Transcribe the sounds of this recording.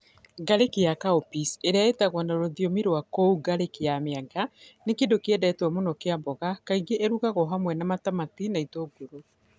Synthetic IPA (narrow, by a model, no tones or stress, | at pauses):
ɡaɾekejakaopiseɾeaetaɣwanaɾoðjomiɾowakouɡaɾekeameaɡanekedokeɛdɛtwɔmonɔkeambɔɣakaiɡeʔeɾuɣaɣɔɦamwɛnamatamatinaitoɡoɾo